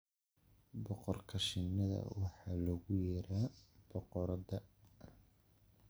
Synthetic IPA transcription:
bɔqɔrkʰɐʃɪnːɐðɐ̰wɑħɑːlɔɣʊjɛɾaːb̥ɔqɔɾɐðɐ

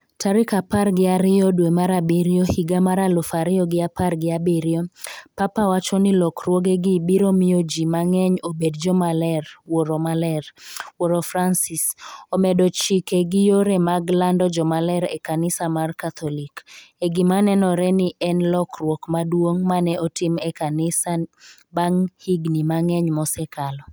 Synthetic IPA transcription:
tʰaɾɪkaparɡɪaɾɪɔdwemaɾabiɾijohiɡamaɾalʊfaɾɪɔɡɪaparɡɪabiɾjopapawat͡ʃɔnɪlɔkrwoɡeɡɪbiɾomɪjod͡ʒimaŋɛɲobedd͡ʒɔmalɛrwoɾomalɛrwoɾofransɪsomɛdɔt͡ʃikeɡɪjoɾɛmaɡlandɔd͡ʒɔmalɛɾɛ̰kanɪsamarkat̪ʰɔlikeɡimanɛnɔɾɛnɪʔɛnlɔkrwokmadwoŋmanɛʔɔtɪmɛkanɪsa | baŋhiɡnimaŋɛɲmɔsɛkʰalɔ

